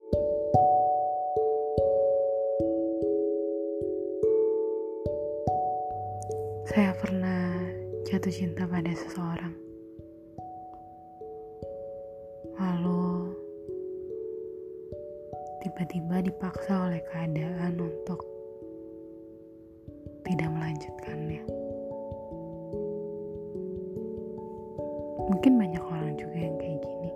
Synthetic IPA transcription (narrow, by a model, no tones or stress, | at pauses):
sajapərnahd͡ʒat̪ʊht͡ʃint̪apadasə̥səoɾaŋ | lalu | t̪ibat̪ibadipaksaolɛhkəadaʔanunt̪ʊk̚ | t̪idaʔməlaɲd͡ʒut̪̚kʰana | muŋkɪnbaɲakoɾaŋd͡ʒuɡajaŋkajiɡini